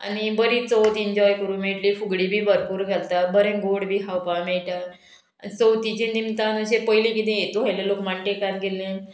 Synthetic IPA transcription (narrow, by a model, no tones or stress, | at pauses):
a̰nibəɾiːt͡sɔwt̪ind͡ʑɔjkəɾũːnmeʈliːfuɡɽiːbʱiːbəɾpuːɾɡʱalt̪abəɾẽɡoɽbʱiːkʰawpameɭʈa | ait͡səwt̪it͡ɕẽnd̪imt̪anəɕepəjlĩkit̪̬ɛ̃jet̪uɦajlelokmaɳʈekaɾɡelːẽ